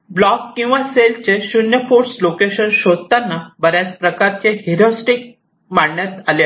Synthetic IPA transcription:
blɔkkːĩw̃ʋaselt͡ɕeɕunjəfuɾslokeɕənɕod̪t̪anːabəɾjat͡spɾəkaɾt͡ɕeɦiɾosʈik̚ | maɽɳjat̪alja

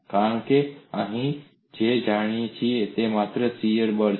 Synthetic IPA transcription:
kaːɳ̃keaɦĩ | d͡ʒeːd͡ʒaːɽ̃it͡ʃʰiet̪emaːt̪ɾəsijəɾɓəɾ

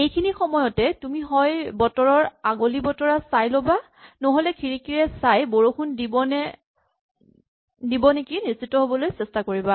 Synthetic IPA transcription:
ejkʰinixɔmɔjɔtɛtumiɦɔjbɔtɔɹɔɹaɡolibɔtɔɹasajloba | nɔɦolɛkʰiɹikiɹɛsajboɹokʰundibɔnɛ | dibɔnekinisitːɔɦobɔlojsɛstakoɹiba

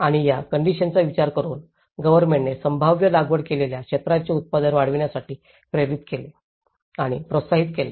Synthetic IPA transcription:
aɽ̃ijakəɳɖiɕənt͡saʋit͡ɕaɾkəɾuːn | ɡəʋəɾmeɳʈnesəmbʱaʋjəlaɡʋəɽkeleljakɕet̪ɾat͡ɕeut̪̚pad̪ənʋaɽəʋiɳjasaʈiː | pɾeɾit̪kele | aɽ̃ḭpɾot̪saɦit̪kele

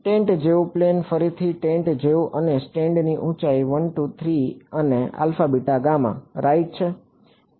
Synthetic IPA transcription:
ʈẽɳʈd͡ʒeuplenfəɾit̪ʰiʈẽɳʈd͡ʒeuʔənesʈẽɳɖniʔũt͡ʃaiʋənʈut̪ʰɾiənea̰lfabiʈaɡamã̰ɾajit͡ʃʰe

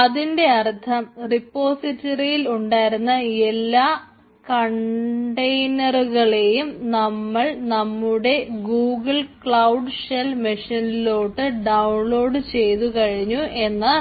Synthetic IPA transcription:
ɐðinde̞ɐrt̪ʰɐmripːo̞ːsitːɐrijiluɳɖaːjiɾunːɐe̞lːaː | kɐɳɖɐjnɐruɣɐɭe̞jumnɐmːɐɭnɐmːuɽe̞ɡuːɡɨɭkɭɐwɖɨʂɐlmiʂɐnilo̞ːʈːɨɖɐwɳlo̞ːɖɨt͡ɕe̞jt̪ukɐɻiɲːuʔe̞nːɐ

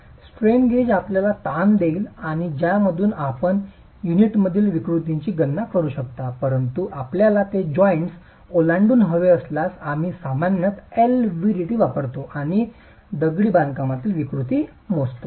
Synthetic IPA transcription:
sʈɾenɡed͡ʑapljalat̪and̪eːlaɽ̃id͡ʑjaməd̪ʱuːnapəɳ | juniʈməd̪ʱiːlʋikɾut̪iɲt͡ɕiːɡənːakəɾuːɕək̚t̪apəɾənt̪uʔapljalat̪ed͡ʑɔjɳʈs | olaɳɖuːnɦəʋeəslasam̤iːsamanjət̪elʋiɾiʈiːʋapəɾt̪oʔaɽ̃i | d̪əɡɭiːbãnd̪kamat̪iːlʋikɾut̪i | most̪o

